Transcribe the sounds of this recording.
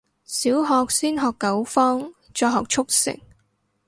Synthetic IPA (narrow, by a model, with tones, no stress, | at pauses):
siː˨˥wɦɔː˨˧k̚siː˥nɦɔː˨kːɐ˨˥wfɔː˥ŋ | t͡ʃɔː˧ɦɔː˨k̚t͡ʃʰʊ˥k̚sɪ̰˨˩ŋ